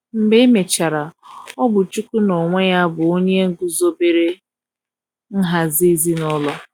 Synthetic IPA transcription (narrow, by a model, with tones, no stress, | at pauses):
m̩˨be˦me˨t͡ʃa˨ɾa˨ɔ˦bʊ˨t͡ʃu˦ku˦no˨ŋʷe˦ja˦bʊ˨o˦ɲe˦ŋ̩˦ɡu˦zo˦be˦ɾe˦ | n̩˦ɦa˨zi˦zi˦nɔ˦lɔ˦